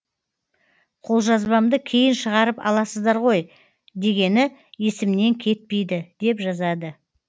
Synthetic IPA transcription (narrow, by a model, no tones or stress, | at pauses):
qʰo̞lˠʒɑzbɑmd̪əkʲʰe̞jɪnʃəʁɑɾəpɑ̰lˠɑsəzd̪ɑɾʁo̞j | d̪e̞ɡʲe̞nɪje̞sɪmne̞ŋkʲʰe̞t̪̚pe̞jd̪ɪd̪̥e̞pʒɑzɑd̪ə